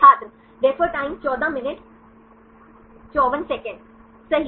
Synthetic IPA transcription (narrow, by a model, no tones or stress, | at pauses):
aːt̪ɾə | d̪ɛːfʰɔːɾʈãːɪ̃mt͡ʃɔːd̪ãmɪnɪʈ | t͡ʃɔːʋənsɛːkə̃ɳɖ | sɐɦi